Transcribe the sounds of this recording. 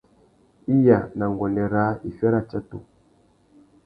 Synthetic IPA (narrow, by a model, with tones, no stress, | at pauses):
i˦ja˨na˨ŋɡɔ˨nɛ˨ɾa˨˦i˨fɛ˦ɾa˦t͡ʃa˦tṵ˨